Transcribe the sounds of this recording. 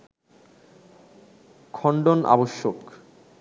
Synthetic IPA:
kʰɔɳɖonʔa̰boʃːok

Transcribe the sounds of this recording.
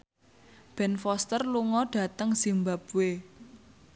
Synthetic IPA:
b̥ɛ̤nfɔst̪ərluŋɔɖ̥a̤t̪əŋsimbap̚we

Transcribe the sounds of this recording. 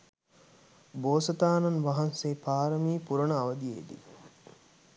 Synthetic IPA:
boːsɐt̪aːnɐnʋaɦɐnseːpaːɾɐmiːpuɾɐnəɐʋɐd̪iḛːd̪ḭ

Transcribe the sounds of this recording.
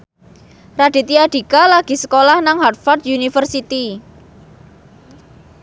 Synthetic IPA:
rad̥i̤t̪iaɖ̥i̤kalaɡ̥i̤səkolahnaŋɦart̪̚fard̪unifərsit̪i

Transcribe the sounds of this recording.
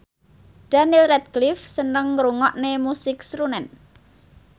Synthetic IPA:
d̥anilrɛt̪̚ɡlɪfsənəŋːɾuŋɔʔnemusɪksɾunɛn

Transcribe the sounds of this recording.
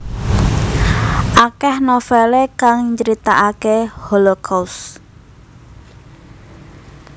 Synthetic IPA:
ʔakɛhnofɛlekaŋɲd͡ʒəɾit̪aʔakeholokʰaws

